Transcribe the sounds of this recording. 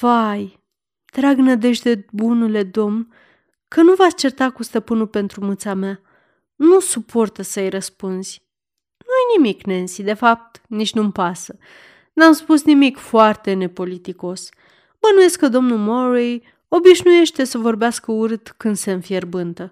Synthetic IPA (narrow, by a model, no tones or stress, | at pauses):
vaj | t̪ɾaɡnəd̪e̞ʒd̪e̞bunule̞d̪o̞mn | kənuvast͡ʃe̞rt̪akust̪əpɨnulpe̞nt̪ɾumɨnt̪samea | nusupʰo̞rt̪əsəjɾəspunz̥ʲ | nuajnimikne̞nsid̪e̞fap̚t̪nit͡ʃʲnumpasə | namspusnimikfoart̪e̞ne̞po̞lit̪iko̞s | bənuje̞skəd̪o̞mnulmoɾej | o̞biʃnuje̞ʃt̪e̞səvo̞rbeaskəuɾɨt̪kɨnd̪senfje̞rbɨnt̪ə